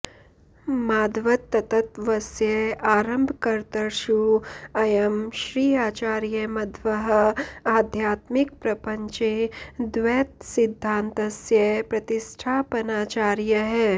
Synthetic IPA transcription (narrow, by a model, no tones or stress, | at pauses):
maːd̪ʋɐt̪ːɐt̪ɐt̪ʋɐsjɐaːɾɐmbʱkɐɾt̪ɐɾʃuɐjɐmʃɾiːaːt͡ʃaːɾjɐmɐd̪ʋɐɦɐaːd̪ʱjaːt̪mikpɾɐpɐɲt͡ʃed̪ʋɛːt̪̚sɪd̪ʱːãːnt̪ɐsjɐpɾɐt̪iʃʈʰaːpɐnaːt͡ʃaːɾjɐɦɛː